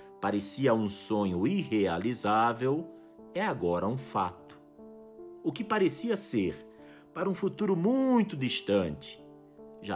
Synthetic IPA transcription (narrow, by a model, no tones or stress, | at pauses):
paɾesiɐũsõɲʊiɦealizavew | ɛaɡɔɾɐũfa̰t̪ʊ̥ | ʊkɪpaɾesiɐseɾ | paɾɐũfut̪uɾʊmũj̃t̪ʊd̪iʃt̪ɐ̃nt͡ʃɪ̥ | ʒa